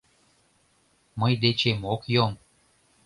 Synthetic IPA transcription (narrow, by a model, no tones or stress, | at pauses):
məjd̪et͡ɕemokjom